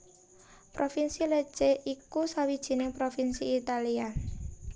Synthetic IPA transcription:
pɾʔofinsile̥t͡ʃeʔikusawid̥ʒ̥i̤nɪŋpɾofinsiːt̪alia

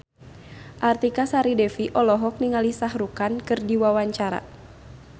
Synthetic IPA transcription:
ʔart̪ikasaɾidɛfiʔɔlɔɦɔk̚niŋalisahɾukankɨrdiwawaɲt͡ʃaɾa̰

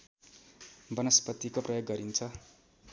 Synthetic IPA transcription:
bʌnʌspʌt̪ːikoprʌjoɡːʌɾint͡sʰʌ

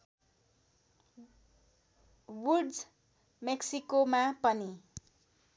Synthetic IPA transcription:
wuɖd͡z | meksikomapʌni

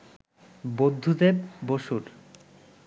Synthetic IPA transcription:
bod̪ʱːud̪eb̚ːoʃuɾ

